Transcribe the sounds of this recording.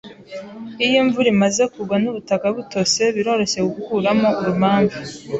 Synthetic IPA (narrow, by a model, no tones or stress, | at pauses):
ijoɱvuɾimaze̞kuɡwanuβutakaβuto̞se̞βiɾo̞ɾo̞ɕe̞ɡuhuːɾamo̞ʔuɾumaːɱvu